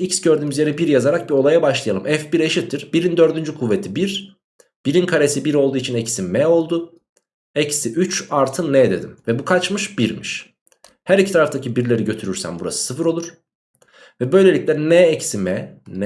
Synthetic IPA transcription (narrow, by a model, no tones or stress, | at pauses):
icsɟøɾd̪yːmyzjeɾɛbiɾjazaɾak̚bio̞lˠajabaʃlˠajalˠɯmʔɛfbiɾe̞ʃit̪ʰːiɾbiɾind̪ø̞ɾd̪ynd͡ʒykʰuvːet̪ʰibiɾ | b̥iɾinkʰaɾesibiɾo̞lˠd̪uːit͡ʃʰinɛcsimmɛo̞lˠd̪ʊ | ɛcsiʔyt͡ʃaɾt̪ʰɯnːɛd̪e̞̰d̪imvɛbukʰat͡ʃmɯʃbiɾmiʃ | hæɾicʰi̥t̪ʰaɾaft̪ʰacʰibiɾlʲe̞ɾiɟø̞t̪ʰyɾyɾsæ̰mbuɾa̰sɯ̥sɯfɯɾo̞lˠuɾ̥ | vɛbø̞jlʲe̞lʲiclʲɛnɛɛcsimɛnɛ